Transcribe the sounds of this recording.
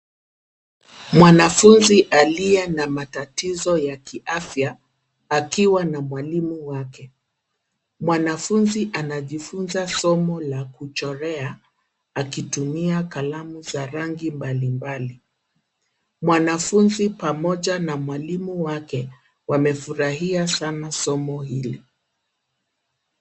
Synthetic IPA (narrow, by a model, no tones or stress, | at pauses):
mwanafunziʔaliɛnamatatizɔjakiʔafjaː | kiwanamwalimuwakɛ | mwanafunziʔanaʄifunzasɔmɔlakut͡ʃɔɾɛa | akitumiakalamuzaɾaŋɡimbalimbali | mwanafunzipamɔʄanamwalimuwakɛ | wamɛfuɾaɦiasanasɔmɔhili